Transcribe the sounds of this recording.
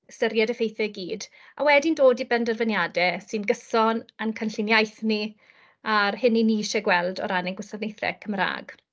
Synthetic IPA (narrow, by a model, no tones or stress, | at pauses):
əstəɾjadəfejθɛɡiːd | a̰wɛdindoːdibɛndərvənjadɛsɨnɡəsɔnankʰənɬɪnjajθni | arhɪniniːʃɛɡwɛlˠdɔ̰ɾanɛŋɡwɪsadnejθrɛ̰kʰəmra̰ːɡ̥